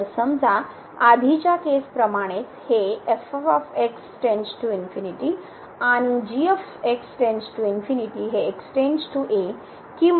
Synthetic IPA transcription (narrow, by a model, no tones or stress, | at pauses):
səmd͡zʱa | ad̪ʱit͡ɕjakespɾəmaɽ̃et͡sheefefɔfeksʈẽnsʈuinfiniʈi | aɽ̃id͡ʑief | eksʈensʈuinfiniʈiɦeːksʈẽnd͡ʑʈuʔe | kim